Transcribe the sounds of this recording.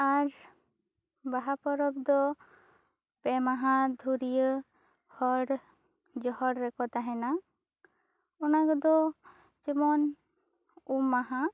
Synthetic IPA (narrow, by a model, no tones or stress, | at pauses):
aɾ | baɦapɔɾɔbd̪ɔ | pɛmaɦãd̪ʱuɾijə | hɔɽ | d͡ʒɔhɔɽɾɛkɔt̪aɦɛna | ɔnakəd̪ɔ | d͡ʒimɔn | umːaɦã